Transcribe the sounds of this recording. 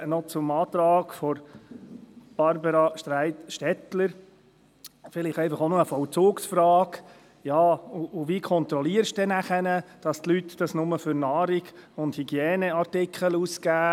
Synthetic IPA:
nɔt͡sʊmɑːt̪ɾɑːɡfɔɾ | b̥ɑɾbəɾɑʃtɾæɪt̪ʃtɛt̪ləɾ | fɪliχɛɪfɑχonoəfɔwt͡suːksfɾɑːk | jɑːʊʔːvikʰɔnt̪ɾɔliːəɾʃd̥ɛnæχənəd̥ɑst̪lytd̥ɑsnʊməfʏɾnɑːɾiɡʊnthiɡjɛːnəɑɾtɪkʰχəluːskæː

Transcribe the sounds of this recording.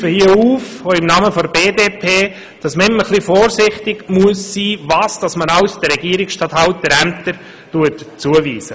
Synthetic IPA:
fəhiəuːf | oɪmnɑːməfodəbeːdeːpʰeː | d̥ɑsməɪmːəχlifɔːɾsɪχtɪɡmuəsːiːvɑːsd̥ɑsmənɑʊsd̥əɾɛɡiəɾɪksʃtɑthɑʊtːəɾæmt̪əɾ | tuətt͡suəviːsə

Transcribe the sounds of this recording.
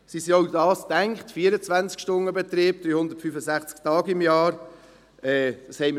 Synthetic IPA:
sisioʊdɑːstɛŋkχtfiːəɾət͡svænt͡skʃtʊnːəbɛt̪ɾiːb̥̚d̥ɾyːhʊnd̪ətfyfəsæχt͡sktɑːɡɪmjɑːɾ | ɛd̥ɑshɛɪmə

